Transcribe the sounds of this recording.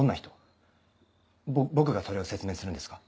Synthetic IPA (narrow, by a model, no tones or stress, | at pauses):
õnːaçi̥t̪o̞ | bobo̞k̬ɯ̟ɡaso̞ɾe̞ose̞t͡sɨmẽ̞ːsɨɾɯ̟nd̪esɨ̥kḁ